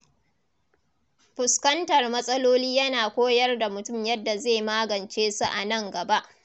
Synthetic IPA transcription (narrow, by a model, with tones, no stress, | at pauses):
ɸʊ˨skɐ˦ntɐ˨rmɐ˦sʼɐ˦loː˦liː˦jɐ˦naː˨kʷoː˦jɐ˦rda˨mʊ˨tʊ˦˨mjɐ˦dːa˨zeː˦˨maː˦ɡɐ˨nt͡ʃeː˦su˦ʔa˨nɐ˦˨ŋɡɐ˨ba˦ʔ